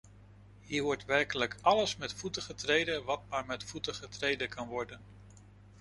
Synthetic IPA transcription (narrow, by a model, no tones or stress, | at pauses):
ɦiːɹʋɔɹtʋɛɹkələkɑləsmɛtfutəχətrejdənʋɑt̚maːɹmɛtfutəχətrejdəkɑnʋɔɹdən